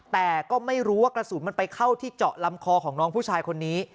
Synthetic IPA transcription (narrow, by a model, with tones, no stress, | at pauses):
t̪ɛː˨˩kɔː˥˩ma˥˩jɾuː˦˥wa˥˩kɾa˧suː˨˩˦nma˧npa˧jkʰa˥˩wt̪ʰiː˥˩t͡ɕɔ˨˩ʔla˧mkʰɔː˧kʰɔː˩˦ŋnɔː˦˥ŋpʰuː˥˩t͡ɕʰaː˧jkʰo˧nːiː˦˥